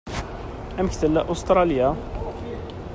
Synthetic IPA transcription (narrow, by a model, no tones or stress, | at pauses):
æməkt̪əlːæʔʊst̪ɾˤɑlja